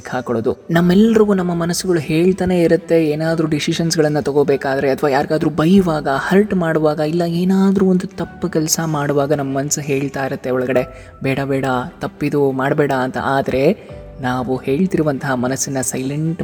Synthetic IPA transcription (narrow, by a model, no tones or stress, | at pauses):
kaːkɐɭoːd̪unɐmːɛlːɐɾɐɡuːnɐmːɐmɐnɐsːuɡɐɭuɦe̞ːɭt̪aːne̞ːiɾut̪ːe̞eːnaːd̪ɾuːɖisiʃɐnsɡɐɭɐnːɐt̪ɐɡo̞ːbeːkaːd̪ɐɾe̞ɐt̪ʰʋaːjaːɾɡaːd̪ɾuːbɐjuʋaːɡɐhɐlʈmaːɽuʋaːɡɐilːɐeːnaːd̪ɾuːond̪ut̪ɐpːkɛlɐsɐmaːɽuʋaːɡɐnɐmːɐmɐnsɐɦe̞ːɭt̪aːiɾɐt̪ːe̞ɔɭɐɡɐɽe̞ | bɛːɽɐbɛːɽɐt̪ɐpːid̪umaːɽɐbɛːɽɐːnt̪ɐ̰ʔaːd̪ɐɾe̞ | naːʋuhe̞ːɭt̪iɾuʋɐnt̪ɐɦaɐmɐnɐsːinːɐsɐjleɳʈ